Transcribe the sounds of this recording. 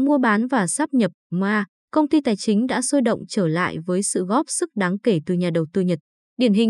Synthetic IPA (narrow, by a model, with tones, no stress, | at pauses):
mu˧əɓaː˨˦nvaː˨˩saː˦˥p̚ɲə˨˩p̚mwaː˧ | kə˧wŋ͡mt̪i˧t̪aː˨˩jt͡ɕï˨˦ŋ̟ɗa̰ː˧˥so˧jɗə̰˧˨wŋ͡mt͡ɕəː˧˩la̰ː˧˨jvəː˨˦jsɨ̰˧˨ɣɔ˦˥p̚sɨ˦˥k̚ɗaː˨˦ŋke˧˩t̪ɨ˨˩ɲaː˨˩ɗə˨˩wt̪ɨ˧ɲə˨˩t̚ | ɗi˧˩ənɦï˨˩ŋ